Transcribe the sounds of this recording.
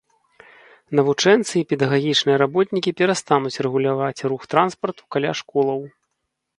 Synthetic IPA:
nɐvut͡ʂɛnt̪sɨipʲɛd̪ɐɣaɣʲit͡ʂnɨjɐɾabɔt̪nʲikʲipʲɛɾast̪anut͡sʲrɛɣulʲavat͡sʲruxt̪ɾanspɐrt̪u̥kalʲa̰ʂkɔlˠɐw

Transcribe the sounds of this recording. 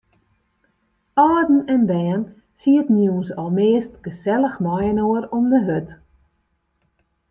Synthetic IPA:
ʔaːdn̩ɛnbɛːn | siətnjuwnsɔlˠmeːstɡ̥əsɛləxmɔjənoəɾɔmdəɦøt

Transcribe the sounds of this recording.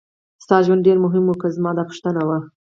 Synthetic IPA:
st̪ɑʒwandɖeɾmʊɦɪmwokəzmɑd̪ɑpʊ̥ʃt̪ənawa

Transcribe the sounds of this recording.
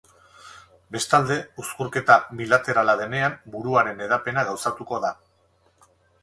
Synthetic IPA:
be̞st̪ald̪e̞uskuɾke̞t̪abilat̪e̞ɾalað̞e̞ne̞ambuɾuaɾe̞ne̞ð̞ape̞naɣawsat̪uko̞ða

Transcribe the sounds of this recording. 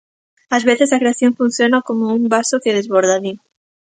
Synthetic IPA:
azβeθesakɾeaθjoŋfunθjonakomouŋbasokeðezβoɾðaði

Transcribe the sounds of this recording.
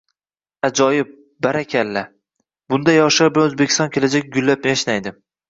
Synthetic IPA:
ad͡ʒɒjɪp̚ | baɾakʲʰalːa | bʊnd̪ajɒʃaɾblanɵzbekʲʰɪ̥st̪ɒnkʲʰe̞lad͡ʒakʲɡʊlːap̚njaʃnajd̪ɪm

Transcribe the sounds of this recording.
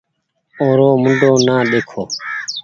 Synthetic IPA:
oːɾoːmʊɳɖʱoːnaːɗeːkʰoː

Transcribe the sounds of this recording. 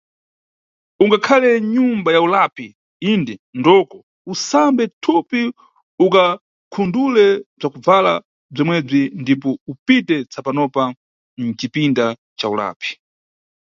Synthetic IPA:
uŋɡakʰalɛɲumbajaulapi | indɛndɔkɔ | usambɛtʰupi | uka | kʰundulɛb͡ʐakub͡vala̰ | b͡ʐimwɛb͡ʐindipɔupitɛt͡sʰapanɔpa | n̩t͡ʃipinda | t͡ʃaula̰ːpi̥

